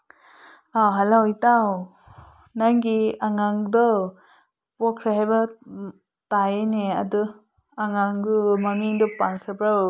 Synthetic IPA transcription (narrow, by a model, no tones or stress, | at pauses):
awɦalawitaw | naŋɡiaŋaŋdɔ | pɔkʰɾaɦajba | tajenea̰dɯ | aŋaŋdumamiŋdɔpankʰɾɯbɾa